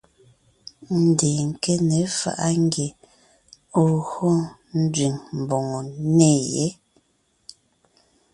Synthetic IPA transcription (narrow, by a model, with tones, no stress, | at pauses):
n̩˨deː˨ŋ̩˨ke˦ne˨˦fa̰˨ʔa˦ŋ˦ɡje˨ | o˦˨ɣɔ˦n̩˦dɥi˨ŋm̩˨bɔ˨ŋɔ˨ne˦˨jḛ˨˦